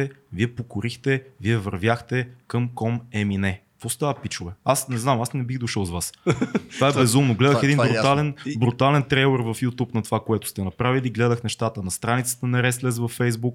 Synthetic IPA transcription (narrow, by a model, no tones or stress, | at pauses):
ɛviɛpokʊɾixt̪ɛviɛvəɾvʲjaxt̪ɛkəmkɔmɛminɛ | fost̪avəpit͡ʃʊvɛasnɛznamasnɛbiɣd̪oʃəlˠzvast̪vaɛbbɛzumnʊɡlɛd̪əxɛd̪inbɾʊt̪alɛnbɾut̪alɛnt̪ɾɛlˠɛɾvɐfjut̪upnɐt̪ovakoɛt̪ʊ̥st̪ɛnɐpɾaviliɡlɛd̪əxnɛʃt̪at̪ənɐst̪ɾanit̪sə̥t̪ənɐɾɛslɛzvɐfːɛjzbuk